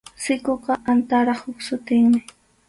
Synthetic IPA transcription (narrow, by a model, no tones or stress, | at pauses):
sɪkoqɑʔant̪aɾɑχhʊksʊt̪ɪŋmɪ